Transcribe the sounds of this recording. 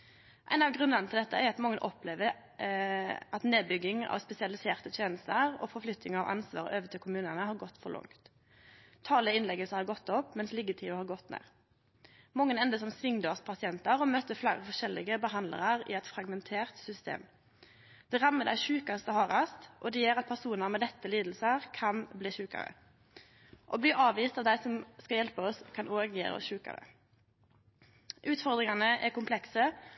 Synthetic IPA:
ʔæ̰ɪnɑʋɡʁʉnənət̪ɪld̪ɛt̪ːəʔæɾɑt̪mɔŋːənʔɔpleːʋəɾ | ʔɑt̪neːd̪bʏɡɪŋɑ̰ʋspɛsɪɑlɪseːʁt̪ət̪ʰjeːnəst̪əʁɔ̰ːfɔɾflʏt̪ːnɪŋɑʋʔɑ̰nsʋɑ̰ːɾøːʋət̪ʰɪlkʰʊmʉːnənəhɑːɾɡɔt̪ːfɔɾlɔ̰ŋt̪ | t̪ʰːɑːləəɪnlɛɡəlshɑɾɡɔt̪ːɔpːmɛnslɪɡət̪ʰiːʋəhɑːɾɡɔt̪nḛːʁ | mɔŋːənɛnd̪əsɔmsʋɪŋd̪øːspʰɑsɪɛnt̪əɾɔmœt̪ːəflæːɾəfɔʂɛlːɪɡəbəɦɑnd̪lə̰ɾəʁɪ̰ɛt̪fɾɑɡmɛnt̪ʰeːʁt̪sʏst̪ḛːm | d̪̥ɛʁɑmːəd̪æ̰ɪʃʉːkɑst̪ɔhɑːʁɑst̪ʔɔd̪ɛjøːʁɑt̪̚pʰæʁsuːnəʁmɛːd̪ɛt̪ːəliːd̪l̩səʁkʰɑnbliːʃʉːkə̰ɾə̰ | ʔɔ̰bliːɾɑːʋiːst̪ɑʋd̪æɪsɔmskɑljɛlpəɔskʰɑnʔoːɡḭʁə̰ɔ̰ʃʉːkə̰ɾə̰ | ʔʉːt̪fɔʁd̪ʁɪŋɑnəʔɛkʊmpʰlɛksə

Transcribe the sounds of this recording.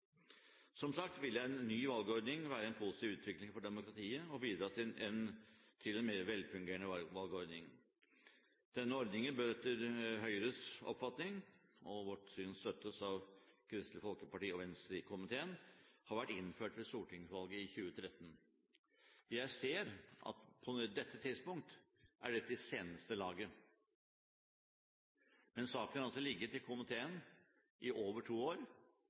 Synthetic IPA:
sɔmsɑk̚t̪ʋɪlːəɛnːyːʋɑlɡəɔɾd̪nɪŋʋæːɾəɛnpʰʊsɪt̪iːʋʉːt̪ʰʋɪklɪŋfɔɖɛmʊkɾɑt̪ʰiːəɔbiːd̪ɾɑːt̪ʰɪɛnt̪ʰɪlɛnmeːɾʋɛlfʉŋɡeːəɳəʋɑlɡəɔɾd̪nɪŋ | d̪̥ɛnːəɔɾd̪nɪŋənbøːt̪əɾɦœʏəɾəsɔ̰pfɑt̪nɪŋɔʋɔʈsyːnst̪œt̪əsɑʋkʰɾɪst̪lɪəfɔlkəpɑʈiːɔʋɛnst̪ɾɪkʰʊmɪt̪ʰeːənhɑɾʋæʈːɪnføːʈʋɛsuːʈʰɪŋsʋɑlɡəɪçʉːət̪ʰɾɛt̪ːn̩ | jæɪseːɾʔɑ̰t̪pʰɔnɛd̪ɛt̪ʰːət̪ʰɪd̪spʊŋk̚t̪ | ʔæ̰ɖɛt̪ɪseːnəst̪əlɑːɡə | mɛnsɑːkənɑlsɔlɪɡːəʈɪlkʰʊmɪt̪ʰeːən | ʔɪʔoːʋəʈʰuːoːɾ

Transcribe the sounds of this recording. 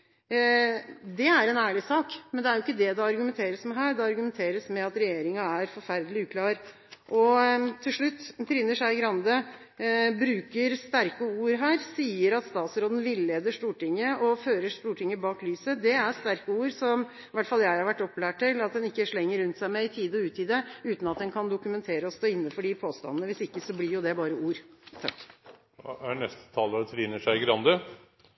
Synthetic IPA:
d̪ɛæɾɛnæːɭɪsɑːkmɛnd̪ɛæɾjʊɪkːəd̪ɛd̪ɛɑɾɡʉmɛnt̪ʰeːɾəsmɛɦæːɾd̪ɛɑɾɡʉmɛnt̪ʰeːɾəsmɛɑt̪ɾɛjeːɾɪŋɑæɾfɔɾfæɾd̪əlɪʉːkʰlɑːɾ | ʔɔt̪ʰːɪlʂɭʉt̪ːt̪ʰɾɪnːəʂæɪɡɾɑnd̪ə | bɾʉːkəɾst̪æɾkəuːɾɦæːɾsiːəɾɑt̪st̪ɑːt̪sɾoːd̪n̩ʋɪlːeːd̪əʂt̪uːʈɪŋːəɔføːɾəʂt̪uːʈʰɪŋːəbɑːklyːsəd̪ɛæɾst̪æɾkəuːɾsɔm | ʋæʈːfɑljæɪhɑɾʋæʈːɔpːlæːʈʰːɪlɑt̪̚d̪ɛnɪkːəʂɭɛŋːəɾʉnt̪sæɪmɛɪt̪ʰiːd̪əɔʉːt̪iːd̪əʉːt̪n̩ɑt̪̚d̪ɛnkʰɑnd̪ʊkʉmɛnt̪ʰeːɾəɔst̪oːɪnːəfɔɖɪpʰoːst̪ɑ̰nnəʋɪsɪkːəsɔblɪɾjʊd̪ɛbɑːɾəuːɾt̪ʰɑkː | ænɛst̪ə̥t̪ʰɑlːəd̪ɛt̪ʰʋiːnəʂæɪɪɡɾɑnd̪ə

